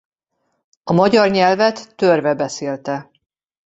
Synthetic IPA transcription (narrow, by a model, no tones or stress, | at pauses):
ɒmɒɟɒrɲɛlvɛt̪ːørvɛbɛseːlt̪ɛ